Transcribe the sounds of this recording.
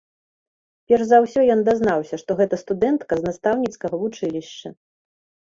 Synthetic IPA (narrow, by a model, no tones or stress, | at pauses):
pʲɛrzawsʲɔjɔnd̪aznawsʲɐʂt̪ɔɣɛt̪ɐst̪ud̪ɛnt̪kɐznast̪awnʲit̪skɐɣɐvut͡ʂɨlʲiɕt͡ʃɐ